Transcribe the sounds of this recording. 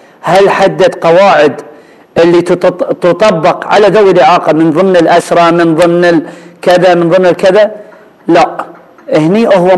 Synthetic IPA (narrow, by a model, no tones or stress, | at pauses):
halħad̪ːad̪qɑwaːʕɪd̪ | ʔɪlːit̪ʊt̪ˤɑbːɑqʕa̰laðawːɪlʔɪʕɑːqɑmɪnðˤɨmnɪlʔaʃɾˤɑmɪnðˤɨmnɪlkɪðamɪnðˤɨmnɪlkɪða | laʔ | ʔɪhniʔʊhwa